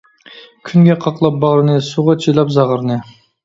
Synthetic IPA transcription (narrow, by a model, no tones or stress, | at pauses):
kʲʰynɡʲɛqʰɑqlˠɑp̚bɑʁɾɨnɨsuʁɑt͡ʃʰilˠɑpzɑʁəɾɨnɨ